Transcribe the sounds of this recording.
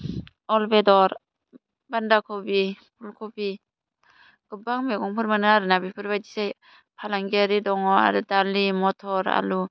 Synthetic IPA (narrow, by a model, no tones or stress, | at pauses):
ɔlbedɔɾ | bandakʰɔbi | pʰulkʰɔbi | ɡ̥ɯbaŋmekɔŋpʰɯɾmanɯaɾɯnabipʰɯɾbadisaj | pʰalaŋɡeɾidɔŋɔa̰ɾɯdalimɔtʰɔɾa̰lu